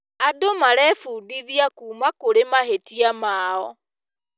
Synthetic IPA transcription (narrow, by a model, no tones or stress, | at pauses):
adomaɾɛfuːdiðiakuːmakoɾemaɦetiamaːɔ